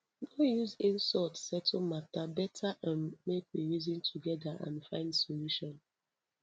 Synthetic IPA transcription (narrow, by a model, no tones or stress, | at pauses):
nojuzĩnsɔtsɛtʰomatabɛtʰaʔãnmekwiɹizĩntʰuɡɛdaʔã̰nfãɪ̃ndsoluʃɔ̃n